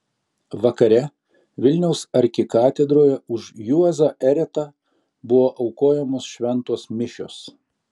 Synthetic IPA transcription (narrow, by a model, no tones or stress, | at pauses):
ʋɐkɐɾʲɛ | ʋʲɪlʲnʲɛʊsɐɾʲkʲɪkɑːt̪ʲɛd̪ɾoːjɛʊʃjuɐzɐʔɛɾʲɛt̪ɑ | bʊʋoːʔɐʊkoːjɛmoːsʃʲʋʲɛnˑt̪oɔsmʲɪʃʲo̰ːs